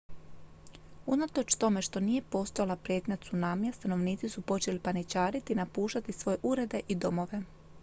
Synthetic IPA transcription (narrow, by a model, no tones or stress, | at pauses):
unat̪o̞t͡ʃt̪o̞me̞ʃt̪o̞niːje̞po̞st̪o̞jalapɾje̞t̪ɲat̪sunaːmijast̪ano̞ʋniːt̪sisupo̞t͡ʃe̞lipanit͡ʃaːɾit̪inapuːʃt̪at̪isʋo̞je̞ʔuɾe̞d̪e̞ʔid̪o̞mo̞ʋe̞